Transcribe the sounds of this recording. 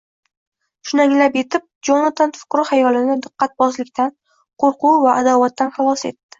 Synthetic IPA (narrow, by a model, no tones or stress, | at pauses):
ʃʊnaŋlapje̞t̪ʰɪp̚d͡ʒonat̪ʰanfʊ̥qɾɨhajɒlɪnɪd̪ɨqːɑt̪̚bɒzlɪkʲt̪ʰan | qʰoɾquvaʔːd̪avat̪ːanχɑlˠɒse̞̰t̪ːɪ̥